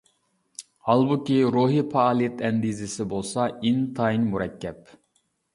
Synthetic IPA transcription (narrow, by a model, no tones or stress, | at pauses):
hɑlˠbukʲiɾoɦipʰɑːlˠijɛt̪ʰɛnd̪izɪsɪbolˠsɑint̪ʰɑinmuɾɛkʲːɛp